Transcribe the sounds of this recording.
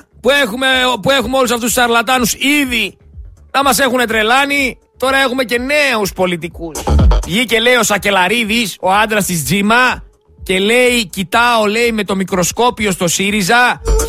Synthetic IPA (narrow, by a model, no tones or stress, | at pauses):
puexumepue̞xumeo̞lusɐft̪ust̪u̥sɐɾlɐt̪ɐnusiði | nɐmɐse̞xune̞t̪ɾe̞lɐni | t̪o̞ɾɐe̞xume̞ce̞ne̞uspo̞lit̪̬ikusʝice̞le̞io̞sɐce̞lɐɾiðiso̞ɐnd̪ɾɐst̪izd͡zimɐ | ce̞le̞icit̪ɐo̞le̞ime̞t̪o̞mikɾo̞sko̞pio̞st̪o̞siɾizɐ